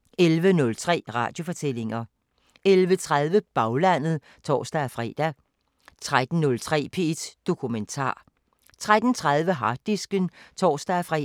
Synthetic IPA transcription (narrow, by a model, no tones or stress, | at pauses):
elʋənɔ̽lt͡sʰʁɛ̰ːʁɑ̈ːd̥jo̝fɒ̽t͡sʰel̰e̝ŋɐ | elʋət͡sʰʁaðˠʋəb̥ɑ̈ʊlæn̰ð̞̩ˠ | t͡sʰɒ̰ːsd̥æfʁɛ̰ːd̥æ | t͡sʰʁad̥n̩nɔ̽lt͡sʰʁɛ̰ːpʰe̝d̥d̥o̝kʰument͡sʰɑ̰̈ː | t͡sʰʁad̥n̩t͡sʰʁaðˠʋəɦɑ̈ːd̥isɡ̥ənt͡sʰɒ̰ːsd̥æfʁɛ̰